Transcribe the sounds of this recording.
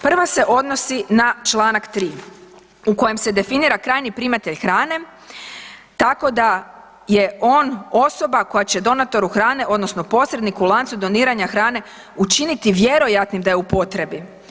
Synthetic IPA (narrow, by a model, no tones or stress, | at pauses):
pr̩ʋase̞ʔo̞d̪no̞sinat͡ʃlˠaːnakt̪ɾiː | uko̞jemse̞d̪e̞finiːɾakɾaːjnipɾimat̪eʎxɾaːne̞ | t̪ako̞d̪a | je̞o̞ːno̞so̞bako̞jat͡ɕe̞d̪o̞nat̪o̞ɾuxɾaːneʔo̞d̪no̞sno̞po̞sɾed̪nikulˠant̪sud̪o̞niːɾaɲaxɾaːne̞ | ut͡ʃinit̪iʋje̞ɾo̞jat̪nimd̪ajeupo̞t̪ɾe̞bi